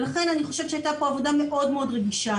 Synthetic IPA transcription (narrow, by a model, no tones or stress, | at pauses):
laχe̞naniχo̞ʃev̥ʃeajt̪apo̞avo̞dame̞ʔo̞dmeo̞dʁeɡiʃa